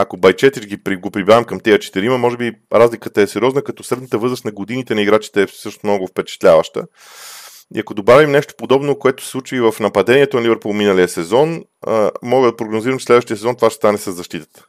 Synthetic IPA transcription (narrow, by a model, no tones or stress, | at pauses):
ɐkobɐjt͡ʃɛt̪it͡ʃɡipɾiɡopɾibɾavəmkɐmt̪ɛjət͡ʃɛ̥t̪iɾiməmɔʒɛbiɾazlikət̪əɛsɛɾiɔznəkɐt̪ɔsɾɛd̪ət̪əvɤɾzɾəsnɐɡod̪init̪ɛnɐiɡɾat͡ʃi̥t̪ɛːsɤʃt̪omnɔɡʊfpɛt͡ʃɛ̥t̪lʲavəʃt̪ə̰ | ḭɐkod̪obavimnɛʃt̪o̥pod̪ɔbnokoɛt̪o̥sslˠut͡ʃvivəfnɐpɐd̪ɛniɛt̪onɐlibɛɾpulˠminəliəsɛzɔn̰ | mɔɡəd̪ɐpɾoɡnoziɾəmt͡ʃɛ̥slɛd̪vəʃt̪iəsɛzɔnt̪ovaʃt̪ɛ̥st̪anɛsəzːɐʃt̪it̪ə̥t̪ə̥